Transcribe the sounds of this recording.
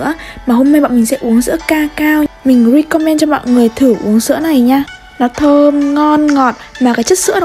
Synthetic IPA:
əmaː˨˩ɦo˧mna˧jɓ̰ːmï˨˩ŋsɛ̰˧˥ʔu˨˦əŋzɨ̰˧˥əkaː˧kaː˧wmï˨˩ŋ̟zi˧kɔ˧mɛ˧nt͡ɕɔ˧ɓa̰ː˧˨nŋɨ˨˩əjt̪ʰɨ˧˩ʔṵ˨˦əŋzɨ̰˧˥əna˨˩jɲaː˧ | nɔ˨˦t̪ʰəː˧mŋɔ˧nŋɔ˨˩t̚maː˨˩kaː˨˦jt͡ɕə˦˥t̚sɨ̰˧˥ə

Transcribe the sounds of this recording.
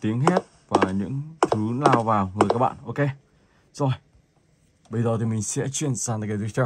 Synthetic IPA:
t̪i˨˦əŋɦɛ˦˥t̚ | vaː˨˩ɲɨ̰˧˥ŋt̪ʰɨ˨˦naː˨˩wvaː˨˩wŋɨ˨˩jkaː˦˥k̚ɓa̰ː˧˨nʔo˧wke˧ | zɔ˧˩j | ɓə˧jzəː˨˩t̪ʰi˨˩mï˨˩ŋ̟sɛ̰˧˥t͡ɕwi˧˨ənsaː˨˩nt̪a˧ke˧˩t̪wt͡ɕɛ˧˩

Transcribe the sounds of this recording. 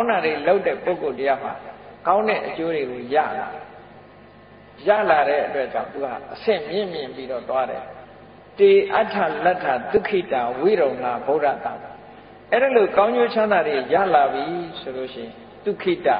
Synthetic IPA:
kã˦ʊ̃nda˨de˨lo˦ʊtːɛ̰˦˨po˦˨ko˨tə˦ja˦˨ʊɦa̰˨kã˦ʊ̃ndɛ̰˦˨ʔət͡ɕo˦ɾe˨ɡo˨ja̰˦˨la̰˨ | ja̰˦˨la˨ɾɛ̰˦ʔətwɛ˦t͡ɕã̰˦˨ʊ̃nt̪u˨ha̰˨ʔəsɪ̰̃˦˨mjɪ̃˦˨mjɪ̃˨mpi˦ɾɔ˦˨t̪wa˦ɾɛ̰˨ | te˨ʔa˦tʰːa˨la˦tʰːa˨t̪u˦˨kʰi˦˨ta˨wi˦˨ɾõ˨ʊ̃ŋla̰˦˨bo˦ta̰˦˨t̪ã̰˨mi˨ | ʔɛ˦ɾə˨lo˨kã˦ʊ̃ɲd͡ʑo˦t͡ɕʰã˦nd̪a˨de˨ja̰˦˨la˨bji˨so˨lo˦˨ʃɪ̃˦˨ɪ̃˨ | t̪u˦˨kʰi˦˨ta̰˨

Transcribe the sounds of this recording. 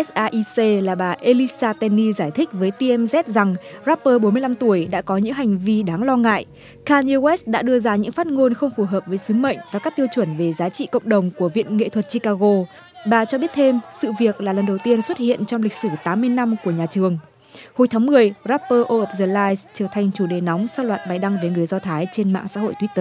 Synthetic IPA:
ʔɛ˦˥sʔaː˧ʔi˧se˧laː˨˩ɓaː˨˩ʔe˧li˧˥saː˧t̪ɛ˧ni˧zaː˧˩jt̪ʰï˦˥k̟̚vəː˨˦jt̪i˧ʔɛ˧mzɛ˦˥t̚za˨˩ŋza˦˥pːəː˧ɓo˨˦mɨ˧əjla˧mt̪u˧˩əjɗa̰ː˧˥kɔ˨˦ɲɨ̰˧˥ŋɦa˨˩jŋ̟vi˧ɗaː˨˦ŋlɔ˧ŋa̰ː˧˨jʔ | kaː˧ni˧wɛ˦˥s̚ɗa̰ː˧˥ɗɨ˧əzaː˧ɲɨ̰˧˥ŋfaː˦˥t̚ŋo˧nxə˧wŋ͡mfu˧˩ɦəː˨˩p̚vəː˨˦jsɨ˨˦mə̰˧˨ŋ̟vaː˨˩kaː˦˥k̚t̪i˧ə˧wt͡ɕwə˧˩nve˨˩zaː˨˦t͡ɕḭ˧˨kə̰˧˨wŋ͡mɗə˨˩wŋ͡mku˧˩əvḭ˧˨ənŋḛ˧˨t̪ʰwə˨˩t̚t͡ɕi˧kaː˧ɣo˧ | ɓaː˨˩t͡ɕɔ˧ɓi˦˥ət̚t̪ʰe˧msɨ̰˧˨vi˨˩ək̚laː˨˩lə˨˩nɗə˨˩wt̪i˧ənswə˦˥t̚hḭ˧˨ənt͡ɕɔ˧wŋ͡mli˨˩k̟̚sɨː˧˩t̪aː˨˦mːɨ˧əjna˧mku˧˩əɲaː˨˩t͡ɕɨ˨˩əŋ | ho˨˦jt̪ʰaː˨˦ŋmɨ˨˩əjzaː˦˥pːəː˧ʔo˧ʔəː˨˩p̚zəː˧˩laː˧jst͡ɕɨː˧˩t̪ʰa˨˩jŋ̟t͡ɕu˧˩ɗe˨˩nɔ˨˦wŋ͡msaː˧lwaː˨˩t̚ɓa˨˩jɗa˧ŋvəː˨˦jŋɨ˨˩əjzɔ˧t̪ʰaː˨˦jt͡ɕe˧nma̰ː˧˨ŋsa̰ː˧˥ɦo̰˧˨jt̪ʰwi˦˥t̪əː˧˩

